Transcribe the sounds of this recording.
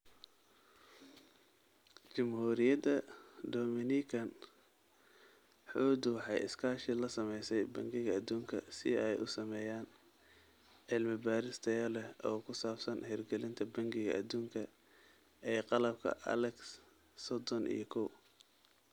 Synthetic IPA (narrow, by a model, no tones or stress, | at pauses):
t͡ʃɪmhuːɾɪjɐd̪ɐd̪ɔːmɪnikʰɐn | ħuːd̪wɑħɑjɪ̰skʰaːʃɪlɐsɐmɛjsɛjbɐŋɡɪɣɐɐd̪uːŋkʰɐ̰sɪɛjʔʊsɐmɛːjaːn | ʕɪlmɪbaːɾɪst̪ʰɛjɐlɛʔɔːkʰʊsaːfsɐnhɛrɡɛlɪnt̪ʰɐbɐŋɡɪɣɐ̰ʔɐd̪uːŋkʰɐ | ɛːqɑlɐb̚kʰɐ̰ʔɐ̰lɛks | sɔd̪ɔnḭjɞkʰɔw